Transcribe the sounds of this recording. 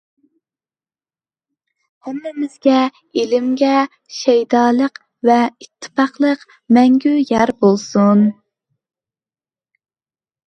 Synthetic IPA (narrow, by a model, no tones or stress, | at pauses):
hæmːɪmɪz̥ɡʲɛ | elɪmɡʲɛ | ʃɛjd̪ɑːlˠəq | vɛit̪ʰːɨ̥pɑχlˠəq | mɛŋɡʲyjɛɾbolˠsun